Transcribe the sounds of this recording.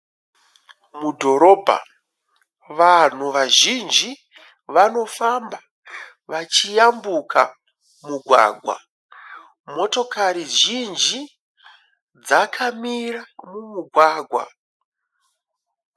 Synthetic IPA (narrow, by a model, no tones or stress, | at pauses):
mudʱo̞ɾo̞ːbʱa̰ | ʋan̤uʋaʒind͡ʒi | ʋano̞famba | ʋat͡ʃijambukʰa | muɡʱwa̰ːɡʱwa̰ | mo̞to̞kaɾiʒind͡ʒi | d͡zakʰamiramumuɡʱwaːɡʱwa̰